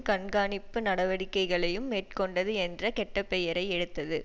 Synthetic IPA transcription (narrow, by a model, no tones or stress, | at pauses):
kɐɳɡaːɳɪpːɯnɐɽɐʋɐɽɪkːɐɪɣɐɭɐjɯmːeːʈ̚kɔɳɖɐðɯɛndrɐkɛʈːɐpːɛjɐɾɐɪɛɽɯt̪ːɐðɯ